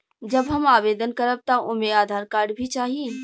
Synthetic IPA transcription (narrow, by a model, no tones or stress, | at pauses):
d͡ʒɐbɦɐmaːʋeːd̪ənkɐɾəb̚t̪aʊmeaːd̪ʱaːɾkaːɾɖbʱit͡ʃaːɦi